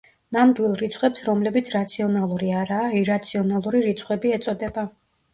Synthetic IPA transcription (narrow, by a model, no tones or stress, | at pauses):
namd̪wilˠɾit̪sʰχwɛpsɾɔmlɛbit̪sʰɾat̪sʰiɔnalˠuɾiaɾaːiɾat̪sʰiɔnalˠuɾiɾit̪sʰχwɛbiɛt̪sʼɔd̪ɛba